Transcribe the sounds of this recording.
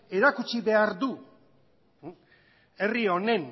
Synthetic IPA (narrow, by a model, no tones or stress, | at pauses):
e̞ɾakut͡ʃiβe̞aɾd̪u | e̞rio̞ne̞n